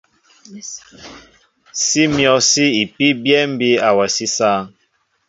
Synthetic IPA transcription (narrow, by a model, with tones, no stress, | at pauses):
si˦mjɔ˨si˦i˨pi˦bjɛ˦m̩˦bi˦a˨wɛ˨si˦saː˦˨ŋ